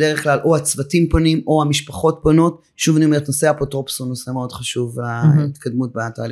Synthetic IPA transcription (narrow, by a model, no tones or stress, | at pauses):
deʁeχklalʔohat͡svatimponimo̞amiʃpaχo̞t̚pono̞t | ʃuvniomeet̪no̞seapotʁopsuno̞se̞me̞o̞dχaʃuvait̪kʰad̪mut̚bat̪a̰ːli